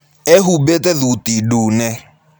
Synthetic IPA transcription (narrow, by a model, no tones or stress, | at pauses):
ɛɦubetɛðutiduːnɛ